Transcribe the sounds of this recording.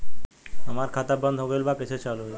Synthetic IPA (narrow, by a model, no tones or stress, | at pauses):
amaɾkʰat̪abɾɔnd̪ʱoɡelbakit͡ʃʰet͡ʃalu